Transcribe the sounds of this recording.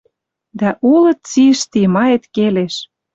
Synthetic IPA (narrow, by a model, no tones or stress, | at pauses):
d̪æʔulɤ̆t̪̚t͡siʃt̪imɑjet̪keleʃ